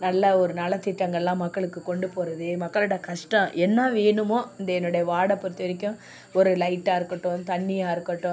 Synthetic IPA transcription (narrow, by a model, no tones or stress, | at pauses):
nɐlːɐɔɾɯnɐlɐt̪ɪʈːɐŋɡɐɭlːãːmɐkːɐɭɯkːɯkɔɳɖɯpoːɾɐðɯmɐkːɐɭɯɽɐkɐʂʈɐ̃ʔɛnːaːʋeːnɯmoːɪnd̪ɐɛnːɯɽɐjɐʋaːɽɐpːɔɾɯt̪ːɯʋɐɾɪk̬ʲːʊ̃ | ɔɾɯlɐɪʈːaːɪɾɯkːɐʈːʊ̃t̪ɐɳːɪjaːɪɾɯkːɐʈːʊ̃